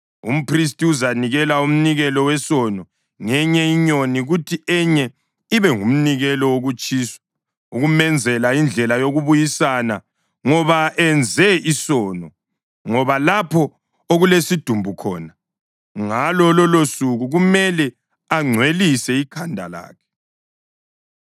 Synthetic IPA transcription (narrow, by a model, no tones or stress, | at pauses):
ṵm̩pris̬tiuzaniɣɛlaum̩niɣɛlɔwɛsɔnɔ | ŋɛɲɛiɲoniɣutʰiɛɲɛ | iβɛŋum̩niɣɛlɔwoɣut͡ʃʼiːswḁ | uɣumɛnd͡zʱɛlaind͡ɮʱɛlajoɣuβujisana | ŋɔβaʔɛnd͡zʱɛisɔːnɔ | ŋɔβalapʰɔ | oɣulesid̥ʱumbʱukʰɔ̰ːna | ŋalɔlɔlosuɣuɣumɛlɛ | aŋ͡ǀʱwelisɛikʰandʱa̰la̰ːkʰɛ̥